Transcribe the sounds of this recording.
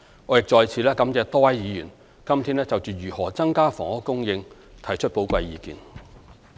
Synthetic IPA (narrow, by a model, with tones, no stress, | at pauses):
ŋɔː˨˧jɪ˨k̚t͡sɔː˨jt͡sʰiː˨˧lɛː˥kɐ˨˥mt͡sɛː˧t̪ɔː˥wɐ˨˥jjiː˨˧jyː˨˩n | kɐ˥mt̪ʰiː˥nlɛː˥t͡sɐ˨wt͡syː˨jyː˨˩hɔː˨˩t͡sɐ˥ŋkaː˥fɔ̰ː˨˩ŋɔː˥kːʊ˥ŋjɪ˧ŋt̪ʰɐ˨˩jt͡ʃʰɵ˥t̚po˨˥wkʷɐ˧jːiː˨˧kiː˨n